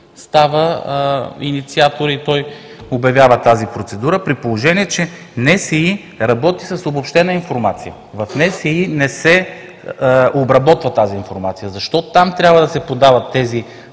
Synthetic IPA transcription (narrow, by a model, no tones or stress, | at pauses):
st̪avə | ḭnit̪siat̪oɾit̪ɔj | objɐvʲjavət̪azipɾot̪sɛd̪uɾəpɾitpolˠoʒɛniɛt͡ʃɛ | nɛsɛi | ɾɐbɔt̪isɐsobopʃt̪ɛnəinfoɾmat̪sijə | vɐfnɛsɛinɛsɛ | obɾɐbɔt̪vət̪aziːnfoɾmat̪sijəzɐʃt̪ɔt̪ʊt̪amt̪ɾʲabvəd̪ɐsɛpod̪avɐt̪ːɛzi